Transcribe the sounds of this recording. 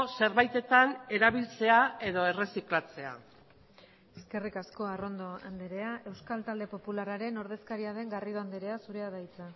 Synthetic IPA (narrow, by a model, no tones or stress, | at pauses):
se̞ɾβajt̪e̞t̪ane̞ɾaβilt͡se̞ae̞ðo̞e̞re̞siklat͡se̞a̰ | eske̞rikasko̞aro̞nd̪o̞and̪eɾe̞aʔe̞wskalt̪ald̪e̞po̞pulaɾaɾe̞no̞ɾðe̞skaɾiaðe̞ŋɡariðo̞and̪eɾe̞asuɾe̞aðajt͡sa